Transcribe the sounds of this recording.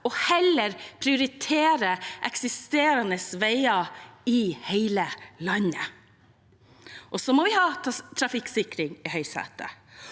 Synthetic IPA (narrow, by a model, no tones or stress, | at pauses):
ɔhɛləɾpʰɾɪʊɾɪt̪ʰeːɾəʔɛksɪst̪eːɾɑnəsʋeɪɑɪheɪləlɑnːə | ʔɔsɔmɔʋɪhɑːt̪ʰɾɑfɪkːsɪkɾɪŋɪhœʏsɑ̰ːt̪ə̰